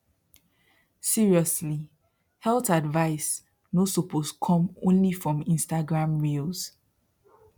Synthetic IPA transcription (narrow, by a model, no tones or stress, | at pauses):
siɹiɔsli | hɛltadvaɪs | nosɔpʰoskʰɔ̃mõnlifɹɔ̃mĩnstaɡɹãmɹilz̥